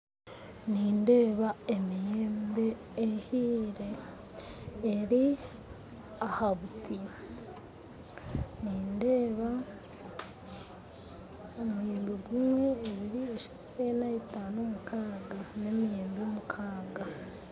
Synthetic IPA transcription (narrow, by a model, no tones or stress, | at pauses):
niːnde̞ːβaemijeːmbe̞ː | hiːɾe̞ | ɾi | ahaβuti | niːnde̞ːβa | omujeːmbeɡumwe̞ːβiɾieʃḁ | enaetaːnomukʰaːɡane̞mijeːmbeomukʰaːɡa